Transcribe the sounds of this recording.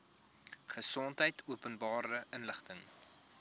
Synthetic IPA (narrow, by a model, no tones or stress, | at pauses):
χəsɔntɦəjtuəpənbɑːɾəʔənləχtəŋ